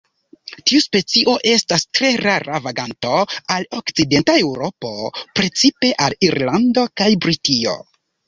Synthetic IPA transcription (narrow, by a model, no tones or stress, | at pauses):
tiuspe̞t͡siʔo̞ʔe̞stastɾe̞ɾaɾavaɡanto̞alo̞kt͡side̞ntae̞wɾo̞po̞pɾe̞t͡sipe̞ʔaliɾlando̞kajbɾitio̞̰